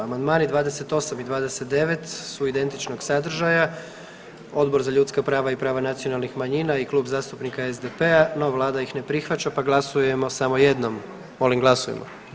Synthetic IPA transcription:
amand̪maːnid̪ʋaːd̪e̞se̞t̪o̞samid̪ʋaːd̪e̞se̞t̪̚d̪e̞ʋe̞t̪suid̪e̞nt̪it͡ʃno̞ɡsad̪r̩ʒaja | o̞d̪bo̞ɾzaʎut̪skapɾaːʋaipɾaːʋanat̪sijo̞nalˠnixmaɲinaiklˠuːbzaːst̪upnikaezd̪epeanoʋaʋlˠaːd̪aixne̞pɾixʋat͡ɕapaɡlˠasuje̞mo̞samo̞je̞d̪nom | mo̞limɡlˠasujḛmo̰

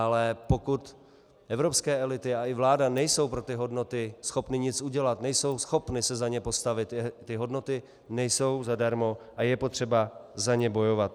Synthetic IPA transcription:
ʔalɛpo̞kut̪ | ʔɛvɾo̞pskɛːɛlɪt̪ɪaɪvlaːdanɛjso̞wpɾot̪ɪɦo̞dno̞t̪ɪsxo̞pnɪɲɪt͡sʔuɟɛlat̪nɛjso̞wsxo̞pnɪsɛzaɲɛpo̞st̪avɪt̪ɛːɪɦo̞dno̞t̪ɪ | nɛjso̞wzadaɾmo̞ʔajɛpo̞t̪r̝̥ɛbazaɲɛbo̞jo̞vat̪̚

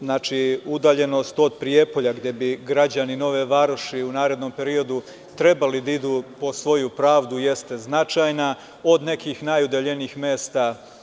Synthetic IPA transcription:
znaːt͡ʃiud̪aːʎe̞no̞st̪o̞d̪̚pɾije̞po̞ʎaɡd̪je̞biɡɾad͡ʑanino̞ʋeʋaɾoʃiunaːɾe̞d̪no̞mpe̞ɾio̞d̪u | t̪ɾe̞balid̪aid̪uːpo̞sʋo̞jupɾaːʋd̪uje̞st̪e̞znat͡ʃaːjna | o̞d̪ne̞kixnajud̪eʎe̞niixme̞ːst̪a

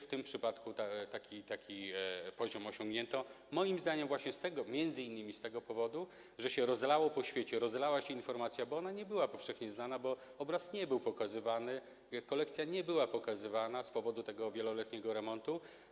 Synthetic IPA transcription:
ft̪ɘmpʂɘpat̪kut̪at̪akʲit̪akʲipɔʑɔmɔɕɔ̃ŋɡɲɛnt̪ɔ | mɔjimzd̪aɲɛmvwaɕɲɛst̪ɛɡɔmʲjɛnd̪zɘinːɘmʲist̪ɛɡɔpɔvɔd̪u | ʐɛɕɛɾɔzlawɔpɔɕfʲjet͡ɕɛɾɔzlawaɕɛinfɔɾmat̪sʲjabɔɔnaɲɛbɘwapɔfʂɛxɲɛznanabɔ | ɔbɾasɲɛbɘwpɔkazɘvanɘ | kɔlɛkt̪sʲjaɲɛbɘwapɔkazɘvanaspɔvɔd̪ut̪ɛɡɔvʲjɛlɔlɛt̪ɲɛɡɔɾɛmɔnt̪u

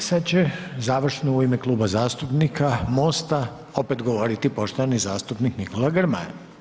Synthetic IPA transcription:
sad̪t͡ɕezaːʋr̩ʃnouimeklˠuːbazaːst̪upnikʰamo̞ːst̪a | o̞peːt̪ɡoʋo̞ɾit̪ipo̞ʃt̪oʋanizaːst̪upnikniko̞laɡrma̰j

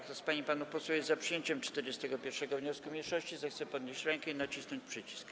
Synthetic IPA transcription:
kt̪ɔspaɲipanupɔswɛwjɛzzapʂɨjeɲt͡ɕɛmt͡ʂt̪ɛɾd͡ʑɛst̪ɛɡɔpʲjɛɾfʂɛɡɔvɲɔskumʲɲeʂɔɕt͡ɕizɛxt̪sɛpɔd̪ɲeɕt͡ɕɾɛŋkɛinat͡ɕisnɔɲt͡ɕpʂɘt͡ɕi̥sk

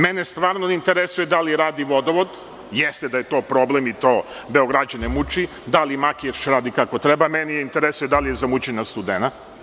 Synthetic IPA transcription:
menest̪ʋaːɾnonint̪eɾesujed̪aliɾaːd̪iʋo̞d̪oʋod̪ | jest̪ed̪aje̞t̪o̞ːpɾo̞blemit̪oː | beo̞ɡɾad͡ʒanemut͡ʃi | d̪alimakieʃɾaːd̪ikakot̪ɾebamenijeint̪eɾesujed̪alijezamut͡ɕenast̪ud̪ena

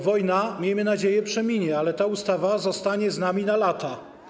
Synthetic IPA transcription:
vɔjnamʲjejmɘnad͡ʑejɛpʂɛmʲiɲɛalɛt̪aust̪avazɔst̪aɲɛznamʲinalat̪a

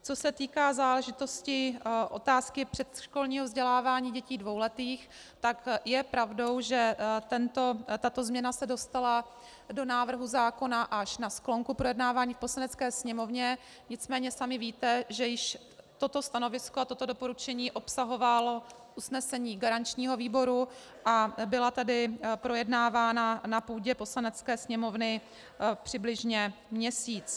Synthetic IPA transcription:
t͡so̞sɛt̪iːkaːzaːlɛʒɪt̪o̞scɪʔo̞̰t̪aːskɪpr̥ɛt̪ʃko̞lɲiːɦovzɟɛlaːvaːɲiːɟɛciːdvo̞wlɛt̪iːx | t̪akjɛpɾavdo̞wʒɛt̪ɛnt̪o̞t̪at̪o̞zmɲɛnasɛdo̞st̪ala | do̞naːvr̩ɦuzaːko̞naʔaʃnasklo̞ŋkupɾo̞jɛdnaːvaːɲiːfpo̞slanɛt͡skɛːsɲɛmo̞vɲɛ | ɲɪt͡smɛːɲɛsamɪviːt̪ɛʒɛjɪʃ | t̪o̞t̪o̞st̪ano̞vɪskoat̪o̞t̪o̞do̞po̞ɾut͡ʃɛɲiːʔo̞psaɦo̞valo̞ | ʔusnɛsɛɲiːɡaɾant͡ʃɲiːɦo̞viːbo̞ɾu | ʔabɪlat̪adɪpɾo̞jɛdnaːvaːnanapuːɟɛpo̞slanɛt͡skɛːsɲɛmo̞vnɪ | pr̥ɪblɪʒɲɛmɲɛsiːt͡s

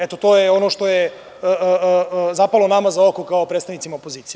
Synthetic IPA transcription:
et̪ot̪oːjeo̞noʃt̪o̞jeː | zapalˠonamazaokokaopɾet̪st̪aʋnit̪imaopo̞ziːt̪sij

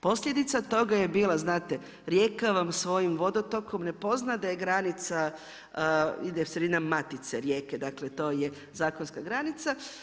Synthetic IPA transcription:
po̞sʎʲed̪it̪sat̪o̞ɡaje̞biːlˠaznaːt̪e̞ | ɾje̞ːkaʋamsʋo̞jimʋo̞d̪ot̪o̞ko̞mne̞po̞znad̪aje̞ɡɾanit̪sa | id̪esɾed̪inamat̪it̪seɾje̞ːked̪aklet̪o̞ːje | zaːkonskaɡɾanit̪sa

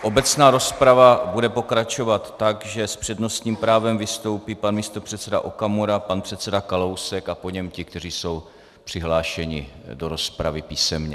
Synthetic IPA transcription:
ʔo̞bɛt͡snaːɾo̞spɾavabudɛpo̞kɾat͡ʃo̞vat̪ːakʒɛspr̝̥ɛdno̞st̪ɲiːmpɾaːvɛmvɪst̪o̞wpiːpanmiːst̪opr̝̥ɛt̪t͡sɛda̰ʔokamoɾapanpr̥ɛt̪t͡sɛdakalowsɛkapo̞ɲɛmcɪk̚t̪ɛriːso̞w | pr̥ɪɦlaːʃɛɲɪ̰do̞ɾo̞spɾavɪpiːsɛmɲɛ

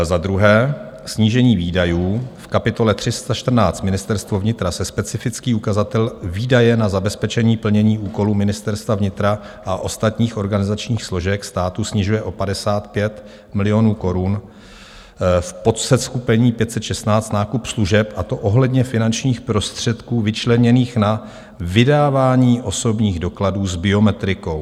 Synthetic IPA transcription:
zad̪ɾuɦɛː | sɲiːʒɛɲiːviːdajuːfkapɪt̪o̞lɛt̪r̥ɪst̪aʃt̪r̩naːt͡st̪mɪnɪst̪ɛɾst̪vovɲɪt̪ɾasɛspɛt͡sɪfɪt͡skiːukazat̪ɛlviːdajɛnazabɛspɛt͡ʃɛɲiːpl̩ɲɛɲiːʔuːko̞luːmɪnɪst̪ɛɾst̪vavɲɪt̪ɾa | ʔaʔo̞st̪at̪ɲiːxo̞ɾɡanɪzat͡ʃɲiːxslo̞ʒɛkst̪aːt̪usɲɪʒujɛʔo̞padɛsaːt̪pjɛt̪ | mɪlɪo̞nuːko̞ɾun | fpo̞t̪sɛt̪skupɛɲiːpjɛt̪sɛt̪ʃɛst̪naːt͡st̪naːkupsluʒɛpʔat̪o̞ʔo̞ɦlɛdɲɛfɪnant͡ʃɲiːxpɾo̞st̪r̝̥ɛt̪kuːvɪt͡ʃlɛɲɛniːxna | vɪdaːvaːɲiːʔo̞so̞bɲiːɣdo̞kladuːzbɪo̞mɛt̪ɾɪko̞w

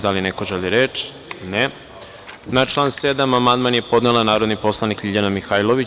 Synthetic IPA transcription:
d̪alinekoʒeliɾet͡ʃ | ne | nat͡ʃlˠaːnsed̪amamand̪manje̞po̞d̪nelanaːɾod̪nipo̞slˠanikiʎanamixajlˠoʋi

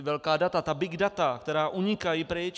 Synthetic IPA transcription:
vɛlkaːdat̪at̪abɪɡdat̪akt̪ɛɾaːʔuɲɪkajipɾɛjɛt͡ʃ

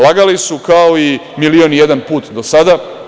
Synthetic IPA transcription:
laɡalisukaoimilionije̞d̪anpuːt̪d̪osad̪a

